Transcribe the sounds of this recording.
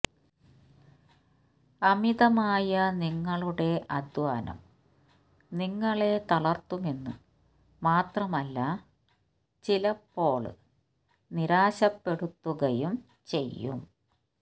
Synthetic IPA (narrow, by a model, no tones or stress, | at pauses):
ɐmiðɐmaːjɐniŋːɐɭuɽe̞ʔɐd̪waːnɐ̰m | niŋːɐɭe̞t̪ɐɭɐrt̪ːume̞nːṵ | maːt̪rɐmɐlːɐ | t͡ɕilɐpːo̞ːɭɨ̰ | niɾaːɕɐpːe̞ɽut̪ːuɣɐjum | t͡ɕe̞jːṵm